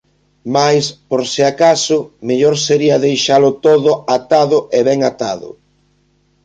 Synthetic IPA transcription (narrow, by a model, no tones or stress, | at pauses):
majspoɾseakasʊmeʎɔɾseɾiɐðejʃalʊt̪oðʊat̪aðʊʔeβɛŋat̪aðʊ̰